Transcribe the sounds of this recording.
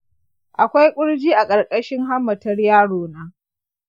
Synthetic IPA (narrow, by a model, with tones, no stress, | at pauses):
ʔa˨kʷa˦jkʷʼʊ˦ɽd͡ʒiː˦ʔa˨kʼɐ˨rkʼɐ˦ʃɪ˦ŋɦa˦mːɐ˨tɐ˦rjaː˦ɽoː˨naː˦